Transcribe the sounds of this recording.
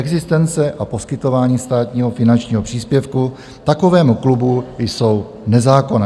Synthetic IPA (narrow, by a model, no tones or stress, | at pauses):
ʔɛɡzɪst̪ɛnt͡sɛʔapo̞skɪt̪o̞vaːɲiːst̪aːt̪ɲiːɦo̞fɪnant͡ʃɲiːɦo̞pr̝̥iːspjɛfku | t̪ako̞vɛːmuklubujso̞w | nɛzaːko̞nɛː